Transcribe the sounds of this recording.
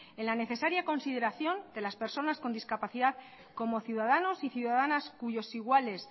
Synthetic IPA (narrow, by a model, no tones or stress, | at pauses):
e̞nlane̞θe̞saɾjako̞nsið̞e̞ɾaθjo̞nd̪e̞laspe̞ɾso̞nasko̞nd̪iskapaθiðað | ko̞mo̞θjuðaðano̞siθjuðaðanaskuʝo̞siɣwale̞s